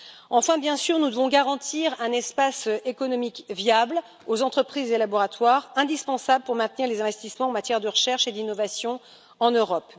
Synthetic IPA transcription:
ɑ̃fɛ̃bjɛ̃syʁnud̪əvɔ̃ɡaʁɑ̃t̪ʰiʁɛ̃nɛspasekɔnɔmikvjabl | ozɑ̃t̪χəpχizelabɔʁat̪waʁɛ̃d̪ispɑ̃sabləpuʁmɛ̃t̪niʁlezɛ̃vɛst̪ismɑ̃ɑ̃mat̪jɛʁd̪əʁəʃɛʁʃed̪inɔvasjɔ̃ | ɑ̃nøʁɔp

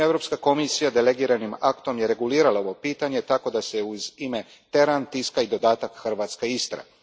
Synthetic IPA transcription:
evɾo̞pskako̞misijad̪ele̞ɡiːɾanimakt̪o̞mjeɾe̞ɡuliːɾalao̞ʋo̞piːt̪aɲe̞t̪ako̞d̪ase̞uzime̞ | t̪e̞ɾant̪iskaid̪o̞d̪aːt̪akxrʋaːt̪skeist̪ɾa̰

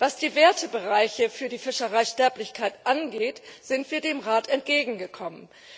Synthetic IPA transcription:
vasd̥iːveːɐtʰəbəʁaɪçəfyːɐdiːfɪʃəʁaɪʃtɛɐplɪçkʰaɪtʔanɡeːtz̥ɪntv̥iːɐdeːmʁaːtɛnt̚ɡ̥eːɡŋ̩ɡəkʰɔmən

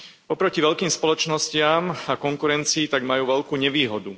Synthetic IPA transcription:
ɔpɾɔciʋɛʎkiːmspɔlɔt͡ʃnɔscɪamakɔŋkuɾɛnt͡siːt̪aɡmajuːʋɛʎkuːɲɛʋiːɦɔd̪u

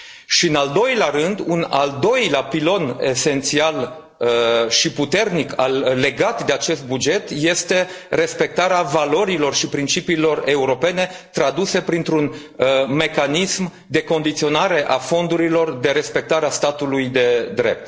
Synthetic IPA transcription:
ʃiɨnald̪o̞jlearɨnd̪una̰ld̪o̞jleapilo̞ne̞se̞nt̪sial | əʃiput̪e̞rnikalːe̞ɡat̪d̪e̞at͡ʃe̞st̪̚bud͡ʒe̞t̪je̞st̪e̞re̞spe̞k̚t̪aɾeavalo̞ɾilo̞rʃipɾint͡ʃipiːlo̞re̞uɾo̞pe̞ne̞t̪ɾad̪use̞pɾint̪ɾun | əme̞kanism | d̪e̞ko̞nd̪it̪sio̞naɾe̞ʔafo̞nd̪uɾilo̞rd̪e̞ɾe̞spe̞k̚t̪aɾeast̪at̪ulujd̪e̞d̪ɾe̞̰p̚t̪

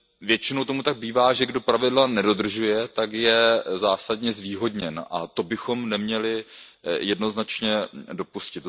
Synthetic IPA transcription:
vjɛt͡ʃɪno̞wt̪o̞mut̪aɡ̚biːvaːʒɛɡdo̞pɾavɪdlanɛdo̞d̪r̩ʒujɛt̪akjɛzaːsadɲɛzviːɦo̞dɲɛnʔa̰t̪o̞bɪxo̞mnɛmɲɛlɪjɛdno̞znat͡ʃɲɛdo̞puscɪt̪

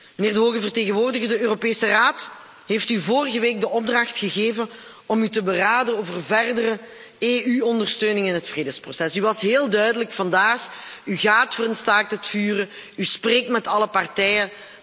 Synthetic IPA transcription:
məneːrdəɦoːɣəvərteːɣənʋoːrdəɣədəøːropeːsəraːt | ɦeːftyvoːrəɣəʋeːk̚dəʔɔb̚drɑxtxəɣeːvən | ɔmytəbəraːdənoːvərvɛrdərə | eːʔyɔndərstøːnɪŋɪnɦətfreːdəsprosɛsyʋɑsɦeːlˠdœɥdələkfɑndaːxyɣaːtfərɾənstaːk̚tətfyːrə | yspreːk̚tmɛtɑləpɑrtɛjə

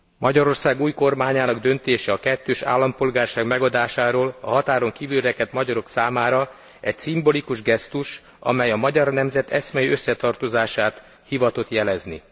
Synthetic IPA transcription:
mʔɒɟɒɾo̞rsaːɡuːjko̞rmaːɲaːnɒɡd̪ø̞nt̪eːʃɛɒkɛt̪ːøːʃa̰ːlːɒmpolɡaːrʃaːɡmɛɡɒd̪aːʃaːɾoːlɒ̰ɦɒt̪aːɾo̞ŋkiːvylrɛkɛt̪mɒɟɒɾo̞ksaːmaːɾɒ | ɛcsimbo̞likuʒɡɛst̪uʃ | ɒ̰mɛjɒmɒɟɒrnɛmzɛt̪ɛsmɛjiøsːɛt̪ɒrt̪o̞zaːʃaːt̪ | hivɒt̪o̞t̪jɛlɛznḭ

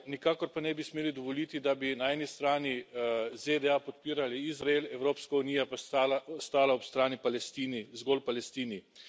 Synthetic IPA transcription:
nikaːkɔɾpanɛbismeːlid̪ɔʋɔlit̪id̪abinaɛːnist̪ɾaːnized̪ɛapɔt̪̚piːɾaliizɾaelɛwɾoːpskauniːjapalst̪aːlaɔpst̪ɾaːnipalɛst̪iːnizɡolpalɛst̪iːni

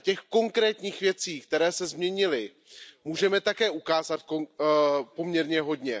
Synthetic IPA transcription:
cɛxko̞ŋkɾɛːt̪ɲiːxvjɛt͡siːk̚t̪ɛɾɛːsɛzmɲɛɲɪlɪ | muːʒɛmɛt̪akɛːʔukaːzat̪̚kopo̞mɲɛɾɲɛɦo̞dɲɛ

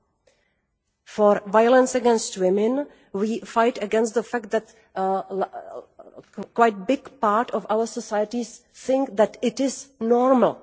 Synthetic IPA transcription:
fɔɾvaɪələ̃nsɨɡɛ̃nstwɪ̃mɨ̃n | wiːfaɪtɨɡɛ̃nstðəfæk̚t̚d̪æt | kwaɪt̚bɪɡpaɹtʰɔvaʊə˞sɔsaɪətiz̥θɪ̃ŋk̚ðætɪtɪznɔɹməl̩ˠ

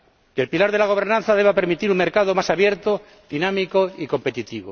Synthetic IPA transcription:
kelpilaɾðelaɣ̞o̞β̞e̞ɾnãnθaðe̞β̞ape̞ɾmit̪iɾuŋmeɾkaðomasaβje̞ɾt̪o | ðinamikoiko̞mpe̞t̪it̪iβo

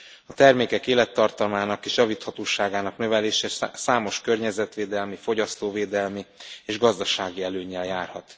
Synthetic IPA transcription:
ɒt̪ɛrmeːkɛkeːlɛt̪ːɒrt̪ɒlmaːnɒkeːʃjɒviːt̪hɒt̪oːʃaːɡaːnɒknø̞vɛleːʃɛsaːmo̞ʃkørɲɛzɛt̪ʋeːd̪ɛlmifo̞ɟɒst̪oːveːd̪ɛlmieːʒɡɒzd̪ɒʃaːɡiɛløːɲːɛljaːrhɒt̪

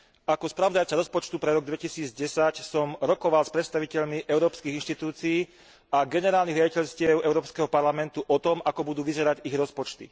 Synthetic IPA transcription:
akɔspɾaʋɔd̪ajt͡saɾɔspɔt͡ʃt̪upɾɛɾɔɡd̪ʋɛcisiːd͡zɟɛsacsɔmɾɔkɔʋalspɾɛt̪st̪aʋicɛʎmiʔɛʊɾɔːpskiɣinʃt̪it̪uːt͡siiː | aɡɛnɛɾaːlniɣɾaɟicɛʎscɪɛʊʔɛʊɾɔːpskɛɦɔpaɾlamɛnt̪uʔɔt̪ɔmʔakɔbud̪uːʋizɛɾaɟiɣɾɔspɔt͡ʃt̪ḭ

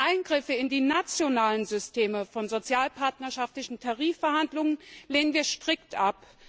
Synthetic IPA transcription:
ʔaɪnɡʁɪfəɪndiːnat͡sjonaːlənzʏstʰeːməfɔnzot͡sjaːlpʰaɐtnɐʃaftlɪçn̩tʰaʁiːfɛɐhandlʊŋənleːnənviːɐʃtʁ̥ɪktʔap

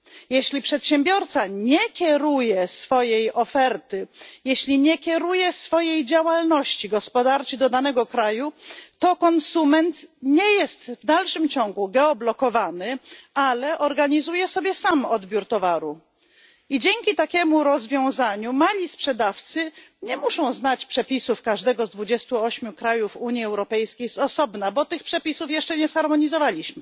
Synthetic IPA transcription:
jɛɕlʲipʂɛt̪ɕɛmbʲjɔɾt̪saɲɛkʲɛɾujɛsfɔjejɔfɛɾt̪ɘjɛɕlʲiɲɛkʲɛɾujɛsfɔjejd͡ʑawalnɔɕt͡ɕiɡɔspɔd̪aɾt͡ʃid̪ɔd̪anɛɡɔkɾajut̪ɔkɔnsumɛnt̪ɲɛjɛst̪vd̪alʂɘmt͡ɕɔŋɡuɡɛɔblɔkɔvanɘalɛʔɔɾɡaɲizujɛsɔbʲjɛsamɔd̪bʲjuɾt̪ɔvaɾu | id͡ʑɛŋʲkʲit̪akʲɛmuɾɔzvʲjɔ̃w̃zaɲumalʲispʂɛd̪aft̪sɘɲɛmuʂɔ̃w̃znat͡ɕpʂɛpʲisufkaʐd̪ɛɡɔzd̪vud͡ʑɛst̪uɔɕmʲjukɾajufuɲjiɛwɾɔpɛjskʲejsɔsɔbnabɔt̪ɘxpʂɛpʲisufjɛʂt͡ʂɛɲɛsxaɾmɔɲizɔvalʲiɕmɘ

